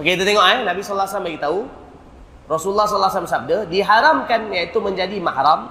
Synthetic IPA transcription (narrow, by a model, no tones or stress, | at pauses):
okeit̪ut̪eŋɔʔɦanabisɔlːasamlaɡit̪au | rɔsuulːahs̬ɔlːaslamsab̚dadiɦaɾamkanjait̪umə̃ɲd͡ʒadimahɾam